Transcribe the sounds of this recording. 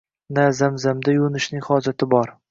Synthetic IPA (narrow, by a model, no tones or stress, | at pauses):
nazamzamd̪ajʊnɪʃnɪŋʲhɒd͡ʒat̪ʰɪbɒɾ